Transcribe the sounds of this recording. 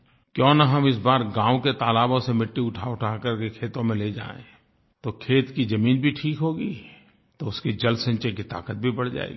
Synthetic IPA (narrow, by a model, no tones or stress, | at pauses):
kjɔ̃ːnɐɦɐmɪs̬baːɾɡãːõket̪aːlaːbõsemɪʈːiʊʈʰaːʊʈʰaːkəɾkekʰeːt̪õmẽled͡ʒa̰ːḛ̃ | t̪oːkʰeːt̪kid͡ʒɐmiːnbʱiʈʰiːkɦoːɡiː | t̪oʊskid͡ʒɐlsɐ̃ɲt͡ʃekit̪a̰ːkət̪̚bʱibɐɽ̤d͡ʒa̰ːḛːɡiː